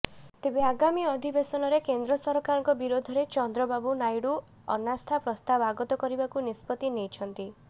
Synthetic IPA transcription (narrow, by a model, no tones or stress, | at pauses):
t̪ebeaɡamiɔd̪ʱibesɔnɔɾekend̪ɾɔsɔɾɔkaɾɔŋkɔbiɾod̪ʱɔɾet͡ʃɔnd̪ɾɔbabunajɽu | ɔ̰nast̪ʰapɾɔst̪abaɡɔt̪ɔkɔɾibakunispɔt̪inejt͡ʃʰɔnt̪i